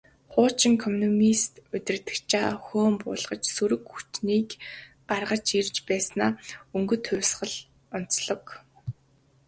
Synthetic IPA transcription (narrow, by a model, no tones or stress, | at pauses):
χʊːt͡ɕɪ̆ŋkʰɔmnɔmist̪ʊt̪ʲɪ̆rt̪ɘ̆kt͡ɕaːxoːmpʊ̰ːɮʁ̥ə̆t͡ɕsuɾɵ̆kxu̥t͡ɕniːk | ɢarʁə̆t͡ɕirt͡ɕpæːsnaːɵŋɡɵ̆t̪ʰːʊ̟wʲsχə̆ɮ | ɔn̥t͡sɮɞ̆k